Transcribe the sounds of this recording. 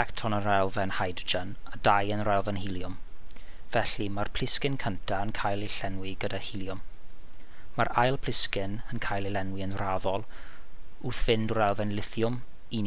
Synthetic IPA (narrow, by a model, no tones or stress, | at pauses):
ɛktʰɔnənrɛlˠvɛnhajdd͡ʒənadajənrɛlˠvɛnhilˠjʊm | v̥ɛɬimarpʰl̥ɪskɪnkʰəntʰaənkʰajlˠiɬɛnwiɡədahiljʊm | maɾajlˠpʰl̥ɪskɪnənkʰajlˠilɛnwiənraðɔlˠ | uːθv̥ɪndɾɛlˠvɛnlɪθjʊm | in